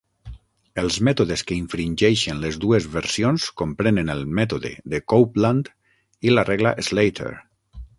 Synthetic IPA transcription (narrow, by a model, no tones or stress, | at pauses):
əlˠzmɛt̪oðeskəiɱfɾinʲʒejʃenlezðuezβeɾsionskompɾenenelˠmɛt̪oðḛðekowplant̪ | ilarʔɛɣla̰ʔezlejt̪ʰḛɾ